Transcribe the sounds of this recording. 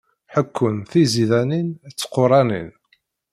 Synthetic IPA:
ħəkʰːʊnθiziðænint͡sːə̥qʊɾˤɑnḭn

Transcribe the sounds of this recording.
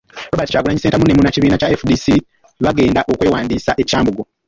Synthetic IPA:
ɾoβaːti̥caːɡulaɲise̞ːntamunemunaciβiːnacaefudisi | βaɡe̞ːndaʔo̞kwe̞ːwaːndiːsaʔe̞caːmbuɡo

